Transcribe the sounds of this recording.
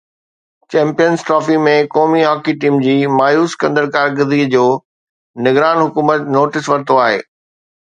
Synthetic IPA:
t͡ɕɛ̃ːmpijənsʈɾɔːfimẽkɔːmiɦɔːkiʈiːmd͡ʑiːmaːjuːskɐ̃nd̪əlkaːɾɡəzid͡ʑoː | nɪɡɾaːnɦʊkuːmət̪noːʈɪsʋɐɾt̪oaːɦḛː

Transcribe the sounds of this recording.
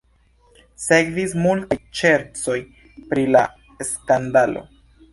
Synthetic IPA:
se̞kvismultajt͡ʃe̞ɾt͡so̞j | pɾila̰ | eskandalo̞̰

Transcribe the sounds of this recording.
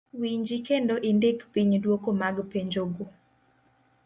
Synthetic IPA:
wiɲd͡ʒikendoʔendekpiɲdwokomaɡpeɲd͡ʒoɡo

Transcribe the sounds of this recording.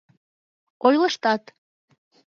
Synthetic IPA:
ojləʃt̪ɑt̪

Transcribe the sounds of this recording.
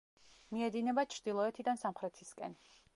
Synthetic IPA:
miɛd̪inɛbat͡ʃʰɾd̪ilˠɔɛt̪ʰid̪ansamχɾɛt̪ʰiskʼɛ̰n

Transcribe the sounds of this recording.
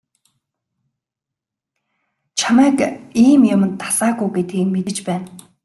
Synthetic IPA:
t͡ɕʰamæːkiːmjʊmə̆nt̪ʰːḁsaːɣujɡet̪̚ɡiːk̚met̪ɘ̆t͡ɕpæːn

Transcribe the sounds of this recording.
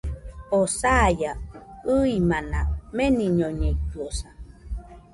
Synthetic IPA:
osajaɯimanameniɲoɲeit̪uosa

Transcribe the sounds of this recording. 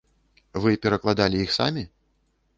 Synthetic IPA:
vɨpʲɛɾɐklˠad̪alʲijixsa̰mʲi

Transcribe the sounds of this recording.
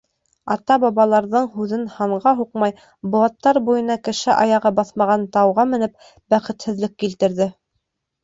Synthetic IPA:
ɑt̪ɑbɑβɑlˠɑɾðɤɴɦʉðɘnhɑɴʁɑɦuqmɑj | bŏlˠɑt̪ːɑɾbujɤ̆nɑkɘ̆ʃɘʔɑjɑʁɑbɑθmɑʁɑnt̪ɑwʁɑmɘ̆nɘp̚ | bæχɘ̆t̪hɘ̆ðlɘkːilt̪ɘ̆ɾðɘ

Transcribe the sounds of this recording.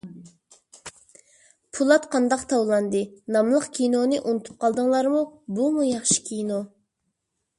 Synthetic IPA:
pʰulˠɑt̪qʰɑnd̪ɑqt̪ʰɑwlˠɑnd̪ɨnɑmlˠəqkʲʰinonɨʔunɨt̪ʰu̥p̚qʰɑlˠd̪əŋlˠɑɾmubumujɑχʃi̥kʲʰino

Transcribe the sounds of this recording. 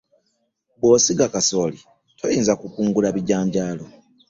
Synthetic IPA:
bo̞ːsiɡakaso̞ːli | tʰojiːnzakukuːŋɡulaβiɟaːɲɟaːlo̞

